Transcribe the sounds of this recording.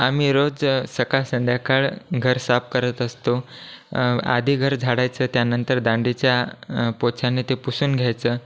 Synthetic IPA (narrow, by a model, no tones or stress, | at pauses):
am̤iɾod͡zsəkasənd̪ʱjakaɭɡʱəɾsap̚kəɾət̪əst̪o | a̰d̪ʱiːɡʱəɾd͡zʱaɽajt͡səːt̪janənt̪əɾd̪ãɳɖit͡ɕjapot͡ɕʰanet̪epusuːnɡʱjajt͡səː